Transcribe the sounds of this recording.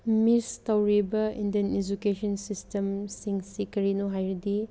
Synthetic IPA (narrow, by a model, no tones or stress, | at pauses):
mistɐwɾibɐindened͡ʒukesɐnsistemsiŋsikɐɾinoɦajɾdi